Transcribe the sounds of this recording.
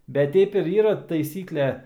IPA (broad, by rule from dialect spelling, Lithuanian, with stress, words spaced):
ˈbʲɛt ˈtʲɛɪp ɪr ˈiːrɐ tɐɪˈsʲiːklʲɛ